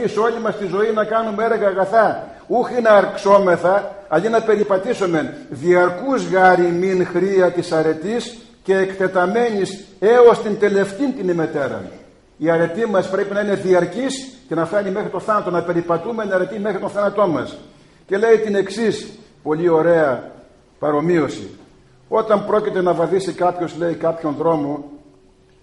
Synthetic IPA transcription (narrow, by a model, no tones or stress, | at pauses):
iso̞lʲimɐst̪izo̞inɐkɐnumeeɾɣɐːɣɐθɐ | uxinɐːɾkso̞me̞θɐɐlinɐpe̞ɾipɐt̪isome̞nðiɐɾkuzɣɐɾiminxɾiɐt̪isɐɾe̞t̪is | ce̞ːkt̪e̞t̪ɐme̞ɲise̞ost̪ind̪e̞le̞ft̪int̪inime̞t̪e̞ɾɐ̰ | iɐɾe̞t̪imɐspɾe̞pinɐine̞ðiɐɾcisce̞nɐfɐɲimexɾit̪o̞θɐnɐt̪o̞nɐpe̞ɾipɐt̪ume̞nɐɾe̞t̪imexɾit̪oθɐnɐt̪o̞nmɐs | ce̞le̞it̪ine̞ksispo̞lio̞ɾe̞ɐ | pɐɾo̞mio̞sḭ | o̞t̪ɐmpɾo̞cit̪e̞nɐvɐðisikɐpço̞zle̞ikɐpço̞nðɾo̞mo̞